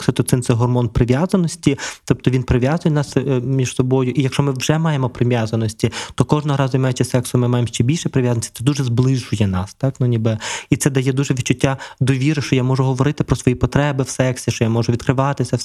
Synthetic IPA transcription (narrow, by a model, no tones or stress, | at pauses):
sɛt̪ɔt̪sɪnsɛɦɔrmɔnpɾɪʋʲjazɐnɔsʲtʲit̪ɔp̚t̪ɔʋʲinpɾɪʋʲjazʊjɛnɑsmʲiʒ̥sɔbɔjʊʔijɐkʃt͡ʃɔmɪwʒ̥ɛmɑjemɔpɾɪmʲjazɐnɔsʲtʲit̪ɔkɔʒnɔɦɔɾɑzɔjmɑjʊt͡ʃɪsɛksʊmɪmɑjemʃt͡ʃɛbʲilʲʃɛpɾeɪʋʲjazɐnsʲi̥t̪ɛd̪uʒɛzblˠɪʒʊjɛnɑst̪ɑknʊnʲibɪit̪sɛd̪ɐjɛd̪uʒɛʋʲitt͡ʃːʊtʲːad̪ɔʋʲiɾɪʃt͡ʃɔjamɔʒʊɦɔʋɔɾɪt̪ɪpɾɔsʋɔjipɔt̪ɾɛbɪwsɛksʲiʃt͡ʃɔjamɔʒʊʋʲid̪kɾɪʋɑt̪ɪsʲɐ